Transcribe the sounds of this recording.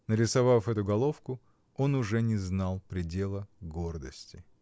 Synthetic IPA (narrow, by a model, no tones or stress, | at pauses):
nəɾʲɪsɐvafɛt̪ʊɡɐlˠo̞fkʊ | o̞nʊʐɛnʲɪznalˠpɾʲɪdʲe̞lˠəɡord̪əsʲtʲɪ